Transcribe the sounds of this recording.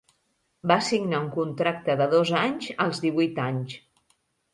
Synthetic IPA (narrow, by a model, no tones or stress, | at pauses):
basiɡnauŋkunt̪ɾak̚t̪əðəðozaɲzəlˠzðiβujt̪aɲs